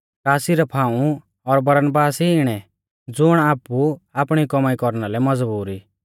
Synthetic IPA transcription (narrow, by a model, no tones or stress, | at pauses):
kaːsiɾɛpʰãːũ | ɔɾbɐɾənbaːsiːɽ̃ɛ | d͡zʊɽ̃aːpuapɽ̃ikɔmaːikɔɾñalɛmɐd͡zbuːɾi